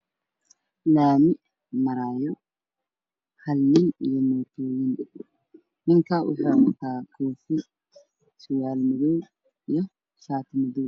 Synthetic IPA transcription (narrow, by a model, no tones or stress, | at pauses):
laːmɪ | mɐɾaːjɔ | hɐlnɪnijɔmɔːt̪ʰɔːjɪn | nɪŋkʰɐwʊ̰ħɑːwɐt̪ʰaːkʰɔːfɪ | sʊwaːlmɪðɔw | ijɞ | ʃaːt̪ʰmʊðɔw